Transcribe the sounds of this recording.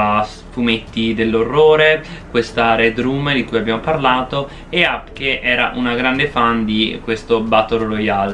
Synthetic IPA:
s | fumet̪ːid̪elːorːoːɾekwest̪aɾed̪ɾuːmd̪ikujabːjamoparlaːt̪o | eapkeʔɛːɾa̰ʔunaɡɾand̪efand̪ikwest̪obat̪ːoloɾojal

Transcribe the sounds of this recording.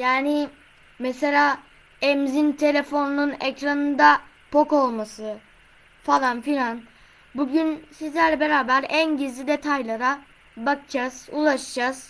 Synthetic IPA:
jaːni | mɛse̞lʲaː | ɛmzint̪ʰe̞lʲe̞fo̞nununecɾanɯnd̪a | pʰo̞ko̞lˠmasɯ | falˠanfilʲan | buɟynsizlʲæɾlʲɛbe̞ɾaːbæɾænɟizlʲid̪e̞t̪ʰajlˠaɾa | bakɯd͡ʒaz̥ulˠaʃɯd͡ʒaz̥

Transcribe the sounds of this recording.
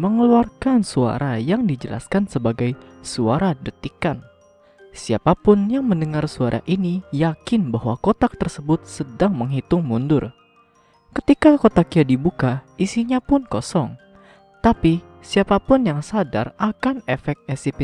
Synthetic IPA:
məŋəluarkansua̰ɾajaŋdid͡ʒəlʔa̰skansəbaɡajsuaɾadət̪ikan | siapapʊnjaŋməndəŋarsuaɾʔa̰ʔinijakɪnbaɦwakot̪ak̚t̪ərsəbʊt̪̚sədaŋməŋɦit̪ʊŋmundʊr | kə̥t̪ikakot̪akiadibukaisiɲapʊnkɔsɔŋ | t̪api | siapapʊnjaŋsada̰rakanefɛk̚t̪̚ɛsip

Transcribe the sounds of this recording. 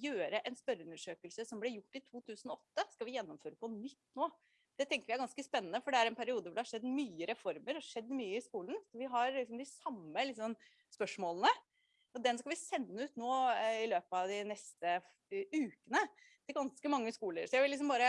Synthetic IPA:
jøːɾəʔɛnspœɾəʉnəʂøːkəlsəsɔmblɛɾjʊʈːɪt̪ʰuːt̪ʰʉːsənɔɔt̪ːəskɑʋɪjɛnːɔmføːɾəpɔnʏt̪ːnoː | d̪̥ɛt̪ʰɛŋkəɾjæɪɡɑnskəspɛnːənəfɔɖɛæɾɛnpʰæɾɪuːd̪əʋʊɖɛhɑʂɛd̪ːmyːəɾɛfɔɾməɾhɑʂɛd̪ːmyːəɪskuːlənsɔʋɪɦɑɾlɪksɔmd̪ɪsɑmːəlɪksɔn | spœʂmoːlˠənə | ɔd̪ɛnskɑʋɪsɛnːəʉːt̪noːɪløːpəɑʋd̪ɪnɛst̪ə | ʉːkənət̪ʰɪlɡɑnskəmɑŋːəskuːləɾsɔjæɪʋɪlːɪksɔmbɑːɾə

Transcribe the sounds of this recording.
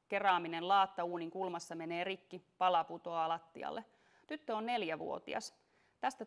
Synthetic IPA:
ke̞rɑːminenlɑːt̪ːɑuːniŋkulmɑsːɑme̞ne̞ːrikːipɑlɑput̪o̞ɑlɑt̪ːḭɑ̰lːe | t̪yt̪ːøonne̞ljæʋṵo̞̰t̪ḭɑ̰s | t̪æst̪æ

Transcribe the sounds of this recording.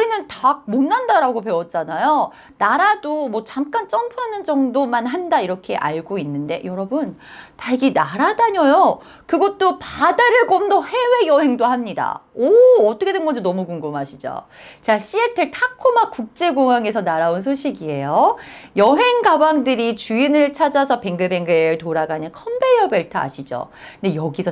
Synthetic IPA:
uɾinɯntaɡ̚monːandaɾaɡop̬e̞wʌt̚t͡ɕ͈anajo | naɾadomwʌt͡ɕamk͈ant͡ɕ͈ʌmpʰuɦanɯnd͡ʑʌŋdomanɦandaiɾʌkʰe̞ʔaɭɡoinːɯnde̞̰jʌɾʌbɯntaɡinaɾadaɲʌjo | kɯɡʌt̚t͈opadaɾɯɭɡomdohe̞we̞jʌɦe̞ŋdohamɲida̰oːt͈ʌkʰedenɡʌd͡ʑʰonʌmukuŋɡɯmɦaɕʰid͡ʑo̰ | t͡ɕaɕ͈ʰietʰɯɭtʰakʰomakuk̚t͡ɕ͈e̞ɡoŋaŋe̞sʰʌnaɾauns̬ʰoɕʰiɡie̞jojʌɦe̞ŋɡabaŋdɯɾit͡ɕuinɯɭt͡ɕʰad͡ʑasʰʌpe̞ŋɡɯbe̞ŋɡɯɾɯɭtoɾaɡanɯnkʰʌmbejʌbeɭtʰaa̰ɕʰid͡ʑo̰ | ndejʌɡisʰʌ

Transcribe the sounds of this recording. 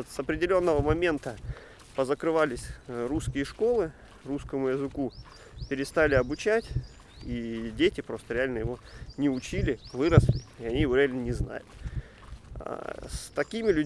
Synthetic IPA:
t̪sɐpɾʲɪdʲɪlʲo̞nːəvəmɐmʲe̞nt̪ə | pəzəkɾɨvalʲɪsʲɾuskʲɪjəʂko̞lˠɨ | ruskəmʊjɪzɨku | pʲɪɾʲɪst̪alʲɪɐbʊt͡ɕætʲ | idʲetʲɪpɾo̞st̪əɾʲɪalʲnəjɪvo̞nʲɪʊt͡ɕilʲɪvɨɾəslʲɪɪɐnʲijɪvo̞ɾʲɪalʲnənʲɪzna̰jʊt̪ | st̪ɐkʲimʲɪlʲʉ

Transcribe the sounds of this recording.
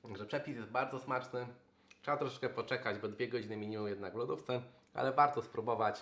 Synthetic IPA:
ʐɛpʂɛpʲisjɛst̪baɾd̪zɔsmat͡ʂnɘ | tʂɛbat̪ɾɔʂɛ̥t͡ʂkɛpɔt͡ʂɛkad͡ʑbɔd̪vʲjɛɡɔd͡ʑinɘmʲiɲimujɛd̪naɡlud̪uft̪sɛ | ʔa̰lɛvaɾt̪ɔspɾubɔvat͡ɕ

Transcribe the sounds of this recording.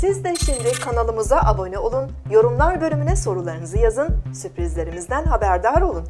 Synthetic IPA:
sizd̪ɛʃimd̪ɪkʰanalˠɯmɯzaʔabo̞nɛo̞lˠun | jo̞ɾumlˠaɾbø̞lʲymynɛso̞ɾulˠaɾɯnɯzɯjazɯnsypɾizlʲe̞ɾimizd̪ænɦabæɾd̪aɾo̞lˠun

